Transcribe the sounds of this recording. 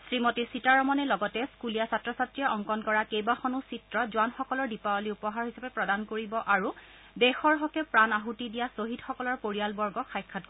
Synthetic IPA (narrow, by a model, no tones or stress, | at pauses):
sɹimotisitaɹɔmɔnɛlɔɡɔtɛskulijasatɹɔsatɹijaʔɔŋkɔnkɔɹakejbaxɔnusitɹɔzʊwanxɔkɔlɔɹdipaɔliupɔɦaɹhisapɛpɹɔdankoɹibɔʔaɹu | dɛxɔɹɦɔkɛpɹanaɦutidijasoɦidxɔkɔlɔɹpoɹijalbɔɹɡɔxʰajkʰːat̚